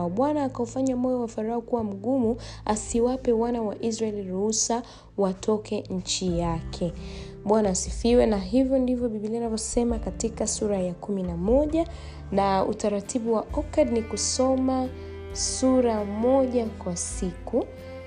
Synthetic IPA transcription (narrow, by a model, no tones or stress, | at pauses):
ɓwanaːkaufaɲamɔjɔwafaɾaɔkuwam̩ɠumuasiwapɛwanawaʔizɾaɛliɾuusa | watʰɔkɛɲ̩t͡ʃijakʰɛ | ɓwanaːsifiwɛnaɦivjɔndivjɔɓiɓilianavjɔsɛmakatikasuɾajakuminamɔʄa | naṵtaɾatʰiɓuwaɔkadnikusɔma | suɾamɔʄakwasiku